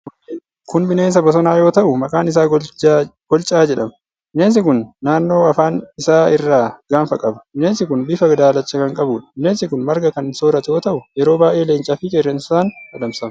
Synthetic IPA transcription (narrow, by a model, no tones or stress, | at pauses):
kʊnbɪne̞ːns̬ɐbɐs̬ɔnaːjo̞ːt̪ɐʔʊmɐkʼaːnɪs̬aː | ɡ̥ɔlt͡ʃʼaːd͡ʒɛᶑɐmɐ | bɪneːns̬ɪkʊnːaːnːo̞ːɐfaːnɪsaːɪrːaːɡ̥aːnfɐkʼɐbɐbɪneːnsɪkʊnbɪfɐɡɐd̪aːlɐt͡ʃːɐkɐŋkʼɐbuːᶑɐ̥bɪneːnsɪkʊnmɐɾɡɐkɐnso̞ːɾɐt̪ɛjo̞ːt̪ɐʔʊjɛɾo̞ːbaːʔeːleːnt͡ʃʼaːfɪkʼerːɛnssaːnɐd̪ɐmsɐm